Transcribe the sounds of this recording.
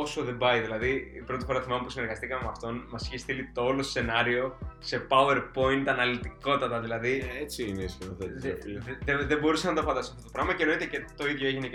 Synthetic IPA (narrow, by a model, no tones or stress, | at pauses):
o̞so̞ðe̞bɐiðilɐðiipɾo̞t̪i̥fo̞ɾɐθimɐmepusine̞ɾɣɐst̪ikɐme̞mɐft̪o̞nmɐsçist̪ilit̪oolosse̞nɐɾio̞se̞pɐue̞ɾpo̞int̪ɐnɐlit̪iko̞t̪ɐt̪ɐðilɐðiet͡siinesçeθe | ðeðebo̞ɾusɐnɐt̪ofɐnd̪ɐsi̥sɐft̪ot̪pɾɐɣmɐceno̞it̪ecet̪o̞iðʝjo̞e̞ʝine